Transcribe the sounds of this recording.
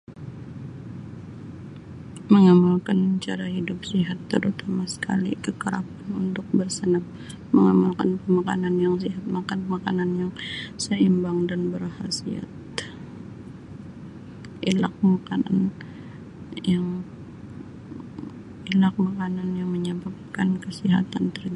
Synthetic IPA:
məŋamalkant͡ʃaɾaɦidʊp̚siɦat̪ːəɾut̪amasə̥ka̰lḭkəkəɾa̰panunt̪ʊk̚bərsənam | məŋamalkanpəmaka̰nanjaŋsiɦat̪̚makanmakananjaŋsəimbaŋdanbərhasia̰t̪̚ | ʔilak̚makana̰n | jaŋ | ilak̚makananjaŋməɲabap̚kankəsiɦa̰t̪ant̪ərd͡ʒ

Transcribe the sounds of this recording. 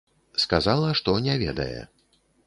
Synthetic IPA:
skazalˠɐʂt̪ɔnʲɛvʲɛd̪ɐ̰jɛ̰

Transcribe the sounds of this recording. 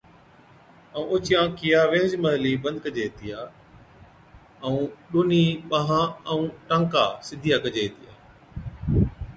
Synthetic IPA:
əũːʔʊt͡ɕɪjãːkijaːʋeːd͡ʒmɐɦliːbɐ̃nd̪̚kəd͡ʑeːt̪ijaː | əũːɗoːniːɓãɦãːə̃ũːʈãːŋkaːsɪd̪ʱijaːkɐd͡ʑeːɦt̪ijaː

